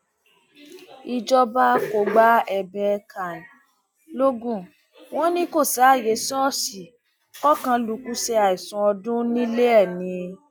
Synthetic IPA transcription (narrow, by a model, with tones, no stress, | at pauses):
i˧d͡ʒɔ˦ba˦ko˧ɡ͡ba˦ɛ˧bɛ˧kʰa˨nĩ˨ | lo˦ɡũ˦˨ | w̃ɔ̃˦nĩ˦ko˦˨sa˨˦˨je˨˦sɔ̃˦˨si˨ | kɔ˦kã˧lu˨˧˦ku˦sɛ˧a˨i˨sũ˨˦ɔ˧dũ˦nĩ˦le˦ɛ˦˨nĩ˧